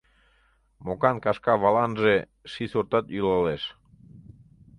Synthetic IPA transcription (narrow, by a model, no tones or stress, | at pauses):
mokankaʃkaβalanʒe | ʃisoɾt̪at̪ylaleʃ